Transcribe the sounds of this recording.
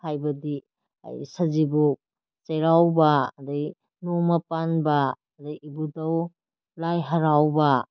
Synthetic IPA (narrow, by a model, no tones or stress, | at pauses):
hajbɐdḭ | jsɐzibu | t͡ʃeɾawbɐdɐj | nomɐpanbɐː | dɐjibudɐw | lajɦɐɾawbɐ